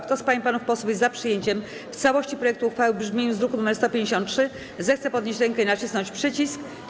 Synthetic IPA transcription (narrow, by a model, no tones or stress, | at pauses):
kt̪ɔspaɲipanufpɔswufjɛzːapʂɘjeɲt͡ɕɛm | ft̪sawɔɕt͡ɕipɾɔjɛk̚t̪uuxfawɘbʐmʲjeɲɔ̃zɾukunumɛɾst̪ɔpʲjẽɲd͡ʑeɕ̬ɔ̃nt̪tʂɘ | zɛxt̪sɛpɔd̪ɲʲeɕt͡ɕɾɛŋkɛinat͡ɕisnɔɲt͡ɕpʂɛt͡ɕisk